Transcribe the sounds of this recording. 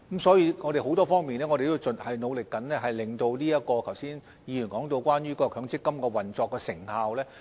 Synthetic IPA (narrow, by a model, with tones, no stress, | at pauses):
msɔː˨˥jiː˧ŋɔː˨˧ɾe˨jho˨˥wt̪ɔː˥fɔː˥ŋmiː˨nɛː˥ŋɔː˨˧ɾe˨t̪o˥t͡sɵ˨nhɐ˨jno˨˧wlɪ˨kːɐ˨˥nlɛː˥ɦɐ˨jlɪ˨ŋt̪o˧wliː˥ɐ˥t̚kːɔː˧kʰɐ˨˩wsiː˥n | jiː˨˧jy˨˩nkɔː˨˥ŋt̪o˧wkʷaː˥nɥyː˥kɔː˧kʰœː˨˥ŋt͡sɪ˥kːɐ˥mkɔː˧wɐ˨nt͡sɔː˧kːɛː˧sɪ˨˩ŋhaː˨˧wlɛː˥